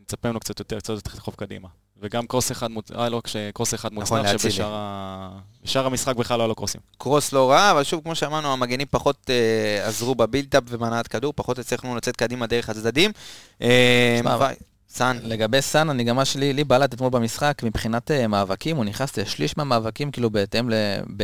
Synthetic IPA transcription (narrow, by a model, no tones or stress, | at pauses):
met͡sapemlukt͡sat̪jot̪eʁkt͡sot̪t̪χofkad̪ḭma | veɡamkoseχad̪muajloakʃekʁoseχad̪muonaeaʃebeʃaʁa | beʃaʁamisχak̚beχlaloalokʁosḭmkʁoslo̞ʁaːvalʃuvkmo̞ʃeamaʁnuamaɡenimpaχo̞t̪eazʁubabilt̪apvemanaat̪kaduʁpaχo̞t̪et͡sleχnulat͡se̞t̪̚kad̪imad̪eʁeχhat͡sd̪ad̪imʔeava̰ | sanle̞ɡabe̞jsananiɡamaʃelilibalat̪̬at̪molbamisχakmibχinat̪emaːvakimuniχnast̪eʃliʃmeamaːvakimkiːlubeːt̪emlebe